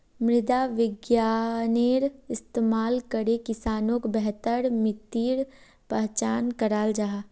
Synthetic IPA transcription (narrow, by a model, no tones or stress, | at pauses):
mɾɪd̪aʋɪɡjaːneːɾɪst̪eːmaːlkəɾekɪsaːnõkbɛɦt̪əɾmɪt̪iːɾ | pəɦt͡ʃaːnkəɾaːld͡ʒaːɦaː